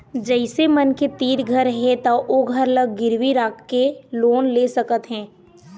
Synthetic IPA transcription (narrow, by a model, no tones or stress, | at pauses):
d͡ʒɛɪsemɐnket̪iːɾɡʱəɾɦɛt̪aʔoːɡʱəɾləɡ̚ɡɪɾwiɾaːkʰːeloːnleːsəkət̪ɦɛ̃ː